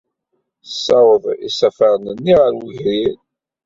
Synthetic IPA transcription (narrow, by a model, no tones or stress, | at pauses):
sːɑwəðˤḭsæfæɾnənːiʁəɾwəʝɾin